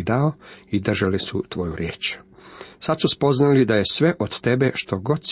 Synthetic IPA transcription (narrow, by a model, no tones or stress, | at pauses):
d̪aoid̪r̩ʒalisut̪ʋo̞juɾjeːt͡ʃ | sad̪suspo̞znalid̪aje̞sʋe̞ʔod̪t̪e̞beʃt̪o̞ɡo̞d̪s